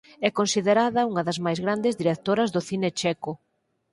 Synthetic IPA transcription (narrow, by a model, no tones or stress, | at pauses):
ɛkonsiðeɾaðɐuŋɐðɐzmajzɣɾand̪ezðiɾek̚t̪oɾɐzðʊθinet͡ʃɛkʊ